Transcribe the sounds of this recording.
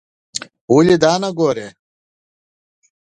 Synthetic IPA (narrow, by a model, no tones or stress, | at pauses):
ulʲid̪aːnaɡoɾe